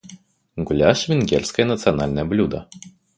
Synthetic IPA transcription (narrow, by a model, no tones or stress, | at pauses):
ɡulʲaʂvʲinɡʲɛrʲsʲkɐjɐnɐt̪sɨjanalʲnɐjɐblʲud̪ɐ̰